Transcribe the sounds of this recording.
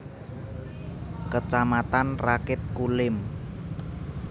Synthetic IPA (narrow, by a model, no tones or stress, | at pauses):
kət͡ʃamat̪anrakɪp̪̚kulɪm